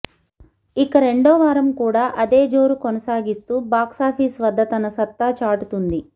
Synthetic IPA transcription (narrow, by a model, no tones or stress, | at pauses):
ikɐɾe̞ɳɖɔːʋaːɾɐmkuːɽaːʔɐd̪e̞ːd͡ʒoːɾukonɐsaːɡist̪uːbaːksaːpʰiːsʋɐd̪ʱːɐt̪ɐnɐsɐt̪ːaːt͡ʃaːʈut̪und̪i